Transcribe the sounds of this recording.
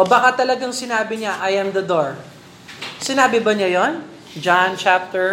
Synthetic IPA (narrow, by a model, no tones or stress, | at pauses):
obakat̪ɐlɐɡaŋsɪnaːbɪɲaʔɐjɐmd̪ɐd̪oɹ | sɪnaːbɪbɐɲɐjon | d͡ʒant͡ʃap̚t̪ɛɹ